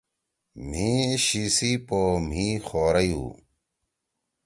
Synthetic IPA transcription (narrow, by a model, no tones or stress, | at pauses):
m̤ĩːɕiːsiːpoːm̤ĩːxoːɾɐjṵː